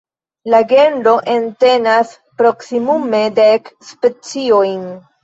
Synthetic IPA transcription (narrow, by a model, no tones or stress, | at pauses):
laɡe̞ndo̞ʔe̞nte̞nas | pɾo̞ksimume̞dekspe̞t͡sio̞jn